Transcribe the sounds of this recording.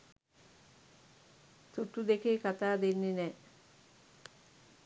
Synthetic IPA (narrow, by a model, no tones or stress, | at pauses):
t̪uʈːud̪ekekɐt̪aːd̪enːine